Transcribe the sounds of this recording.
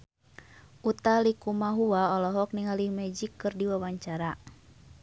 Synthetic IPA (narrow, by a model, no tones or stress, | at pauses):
ʔut̪alikumaɦuaɔlɔɦɔk̚niŋalimɛd͡ʒikːɨrdiwawaɲt͡ʃaɾa